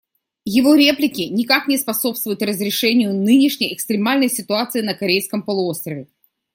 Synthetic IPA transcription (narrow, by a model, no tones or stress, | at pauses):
jɪvo̞ɾʲe̞plʲɪkʲɪnʲɪkaknʲɪspɐso̞pst̪vʊjʊt̪rəzɾʲɪʂɛnʲɪjʊnɨnʲɪʂnʲəjɛkst̪ɾʲɪmalʲnəjsʲɪt̪ʊat̪sɨɪnəkɐɾʲejskəmpəlˠʊo̞st̪ɾəvʲɪ